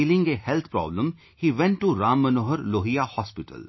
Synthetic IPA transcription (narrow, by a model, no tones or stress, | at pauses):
ilɪ̃ŋɡehɛlt̪ʰpɾɔ̰ːblə̃m | hiːʋɛ̃ɳʈːuɾãːmːənoːɦəɾloːɦijahɔːspɪʈə̰l